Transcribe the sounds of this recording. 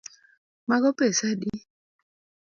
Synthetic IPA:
maɡɔpesadi

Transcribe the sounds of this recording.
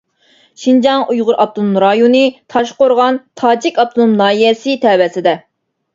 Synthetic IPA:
ʃind͡ʒɑŋujʁʊɾʔɑp̚t̪ʰunumɾɑjonɨt̪ʰɑʃqoɾʁɑnt̪ʰɑːd͡ʒɪkʲɑp̚t̪ʰunumnɑːjɛsɪt̪ʰɛːwɛsɪd̪ɛ

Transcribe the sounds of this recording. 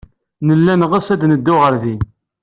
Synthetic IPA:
nəlːænʁəsæd̪nəd̪ːʊʁəɾði

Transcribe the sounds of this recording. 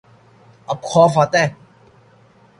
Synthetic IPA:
ɐp̚kʰɔːfat̪ɛ

